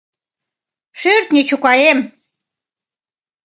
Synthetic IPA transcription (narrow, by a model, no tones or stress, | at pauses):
ʃørt̪nʲet͡ɕukɑjem